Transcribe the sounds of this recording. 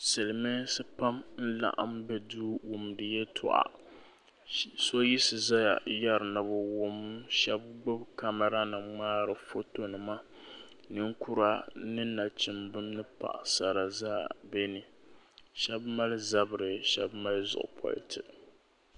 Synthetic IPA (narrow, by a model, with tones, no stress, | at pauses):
sɨ˨lɨ˨mɨ˦sɨ˦pa˦mn̩˦la̰˦ʔa̰˦˨mbɛ˨duː˦wo˨mdɨ˨jɛ˦tʰʊ̰˨ʔa̰˨ | so˦ji˦sɨ˨za˦ja̰˨ja˦ɾɨ˨na˨bʊ˨wʊ˦m˦ʃɛ˦b̚ɡ͡bʊ˦bka˦mɛ˨ɾa˦nɨ˨ŋ͡maː˦ɾɨ˨fo˦to˨nɨ˨ma˦ | nɨ˦ŋ˦ku˦ɾa˦nɨ˦na˨t͡ʃɪ˨mbɨ˦mnɨ˦pa̰˨ʔsa˨ɾa˨zaː˦˨bɛ˦nɨ˨ʃɛ˦bma˦lza˦bɨ˨ɾɨ˨ʃɛ˦bma˦lzʊ̰˨ʔʊ˨pʰɔ̰˨l̰tʰɨ˨ʔ